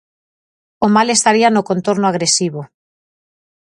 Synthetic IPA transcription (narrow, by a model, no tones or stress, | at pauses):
omalest̪aɾianokont̪oɾnoaɣ̞ɾesiβo